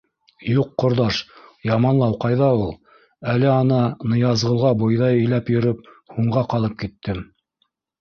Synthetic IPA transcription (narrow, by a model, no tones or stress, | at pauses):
juqːŏɾðɑʃjɑmɑnlˠɑwqɑjðɑulˠ | ælɘɑnɑnɤ̆jɑzʁɤ̆lˠʁɑbojðɑjɘ̆jlæpjɵ̆ɾɵp̚ | huɴʁɑqɑlˠɤp̚kit̪ːɘm